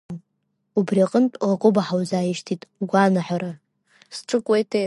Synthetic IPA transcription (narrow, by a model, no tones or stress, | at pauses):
ubriaqʼəntʼrakʷʼʊbaħawzaːjiʃtʰitʼuɡʷanaħaɾa | sʈ͡ʂʼɨkʷʼejtʰe